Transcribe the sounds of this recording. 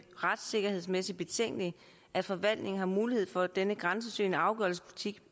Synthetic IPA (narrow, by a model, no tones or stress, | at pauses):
ʁad̥se̝ɡ̥ɐhe̝ð̞̰ˠsmesid̥b̥e̝t͡sʰeŋ̰ɡ̥li | ʔæ̥fɒ̽ʋæl̰d̥ne̝ŋn̩hɑ̈muːlihe̝ð̰ˠfɒ̽d̥enəɡ̥ʁɑ̈ns̬əsø̰ːnəɑ̈ʊɡ̥œɐlspʰulit͡sʰiɡ̥